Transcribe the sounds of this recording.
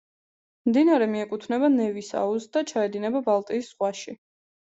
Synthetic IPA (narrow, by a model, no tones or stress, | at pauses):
md̪inaɾɛmiɛkʼut̪ʰnɛbanɛvisa̰usd̪at͡ʃʰaɛd̪inɛbabalˠt̪ʼiːsːχwaʃi